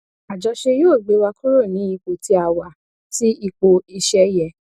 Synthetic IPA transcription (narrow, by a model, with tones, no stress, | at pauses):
a˨d͡ʒɔ˨˧ʃe˧joː˦˨ɡ͡be˨˦wa˧ku˦ɾo˦˨nĩ˨˦i˧k͡po˨ti˧˦a˨wa˨ | ti˦i˧k͡po˧i˧ʃɛ˧jɛ˧˨